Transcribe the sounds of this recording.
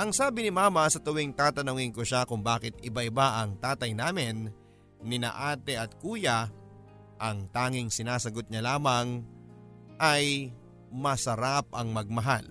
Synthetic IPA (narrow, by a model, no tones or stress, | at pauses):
ʔɐŋsaːbɪnɪmaːmɐsɐt̪ʊwɪŋt̪aːt̪ɐnʊŋɪnkoʃakʊŋbaːkɪt̪̚ɪbaʔɪbaʔɐŋt̪aːt̪ɐjnaːmɪnː | ɪnɐ̰ʔaːt̪ɛʔɐt̪̚kuːjɐ | ʔɐŋt̪aːŋɪŋsɪnaːsɐɡot̪̚ɲɐlaːmɐŋ | ʔɐj | mɐsɐɾap̚ʔɐŋmɐɡ̚mɐɦal